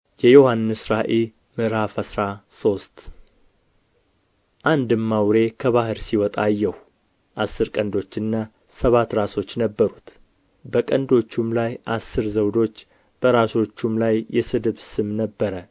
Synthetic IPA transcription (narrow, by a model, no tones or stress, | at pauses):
jɛjo̞hanːɨsɾaʔel | mɨɾafəsɾaso̞st̪ | ʔand̪ɨmːawɾe̞kʰəβahɨɾsiwɔt̪ʼajːɛhu | ʔasːɨɾkʼənd̪o̞t͡ʃːɨnːa | səβat̪ːɾaso̞t͡ʃːnəbːəɾut̪ | bəkʼənd̪o̞t͡ʃːumlajʔasːɨɾzəwd̪o̞t͡ʃː | b̥əɾaso̞t͡ʃːumlajːɛsɨd̪ɨβsɨmnəbːəɾə